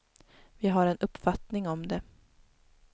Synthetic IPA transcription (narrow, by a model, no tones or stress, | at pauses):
vɪɦaɾɛnɵpːfat̪nɪŋɔmd̪ɛ